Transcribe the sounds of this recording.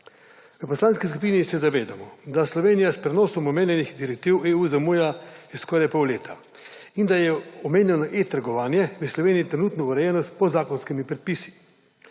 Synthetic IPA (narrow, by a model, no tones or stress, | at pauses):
ʋəpɔslaːnskis̬kupiːnisɛzaʋeːd̪amɔd̪aslɔʋeːnijaspɾɛnɔːsɔmɔmeːnjɛnixd̪iɾɛk̚t̪iweuːzamujajɛskɔːɾajpɔwleːt̪ʰa̰ | ind̪ajɛɔmeːnjɛnɔʔet̪aɾɡɔʋaːnjɛʋəslɔʋeːniit̪ɾɛnuːt̪nɔuɾɛjɛnɔspɔzaːkɔnskimipɾɛt̪̚pisi̥